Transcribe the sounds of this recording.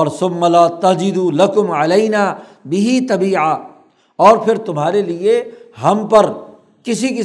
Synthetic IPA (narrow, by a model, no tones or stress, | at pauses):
ɔːɾsʊ̃mːɐlaːt̪ɐd͡ʒɪd̪ulɐkʊmʕɐlɐɪnaː | bɪɦit̪ɐbiːʕa | ɔːɾpʰɪɾt̪ʊmɦaːɾelieɦɐmpɐɾ | kɪsiki